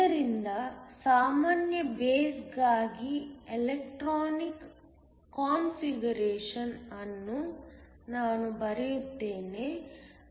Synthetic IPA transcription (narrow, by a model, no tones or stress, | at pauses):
ɐɾind̪ɐsaːmaːnjɐbeːsɡaːɡielek̚ʈɾoːnikː | aːnfiɡɐɾeːʂɐnɐnːu | naːnubɐɾijut̪ːeːne̞